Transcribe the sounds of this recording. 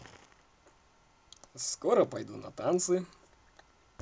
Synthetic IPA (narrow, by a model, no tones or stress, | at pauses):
skɔɾɐpɐjd̪unɐ̰t̪ant̪sɨ